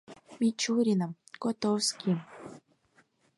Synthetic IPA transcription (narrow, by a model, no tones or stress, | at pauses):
mʲit͡ɕuɾʲinəm | kot̪owskʲim